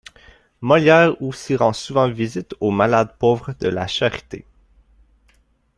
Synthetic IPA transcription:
mɔljɛːʁosiʁɑ̃suvɑ̃vizit̪omalad̪pɔvʁəd̪əla̰ʃaʁi̥t̪ḛ

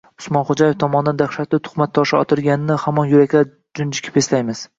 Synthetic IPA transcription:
ʊ̥smɒnχod͡ʒajeft̪ʰɒmɒnɪd̪and̪aχʃat̪lɪt̪ʰʊ̥χmat̪ʰːɒʃɪɒt̪ʰɪɾɡʲanɪnɪhamɒnjʊɾakʲla | d͡ʒʊnd͡ʒɪkʲʰɪ̥peslajmɪz̥

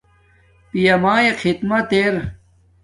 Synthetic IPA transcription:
pijɐmaːjekʰit̪mɐt̪eɾ

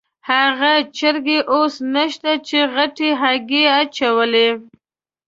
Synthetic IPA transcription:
haɣat͡ʃəɾɡeʔosnaʃt̪at͡ʃeɣaʈeɦaɡeat͡ʃawəle

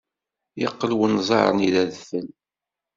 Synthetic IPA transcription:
jɑqːəlwənzˤɑ̰ɾˤə̰niðæðfəl

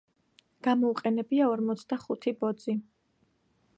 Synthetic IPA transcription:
ɡ̥amɔuqʼɛnɛbiaɔɾmɔt̪sʰd̪aχut̪ʰibɔd̪zi

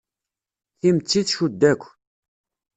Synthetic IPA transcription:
θimt͡sːiθʃud̪ːækʷː

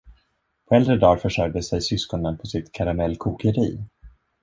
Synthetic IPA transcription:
pʰɔɛld̪ɾəd̪ɑːɾfœʂœɾ̚d̪əsɛjsʏskɔnənpʰɔsɪt̪kʰaɾamɛlːkʰuːkəɾiː

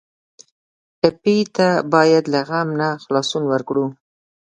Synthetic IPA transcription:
ɪpit̪abɑjad̪laɣamnaxlɑsunwəɾkɽu

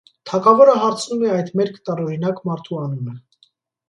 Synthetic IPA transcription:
t̪ʰɑkʰɑvɔɾəɦɑɾt͡sʰnumɛɑjd̪mɛɾkʰt̪ɑɾɔɾinɑkmɑɾt̪ʰuɑnumə

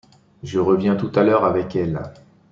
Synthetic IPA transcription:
ʒəʁəvjɛ̃t̪ut̪alœʁavɛkɛl

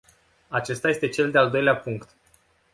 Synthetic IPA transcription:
at͡ʃe̞st̪aje̞st̪e̞t͡ʃe̞ld̪eald̪o̞jleapuŋkt̪

